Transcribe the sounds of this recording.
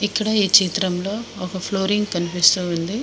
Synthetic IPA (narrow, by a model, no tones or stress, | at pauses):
ikːɐɽɐiːt͡ʃiːt̪ɾɐmlo̞ːɔkɐpʰloːɾiŋɡkɐnipist̪uːnd̪i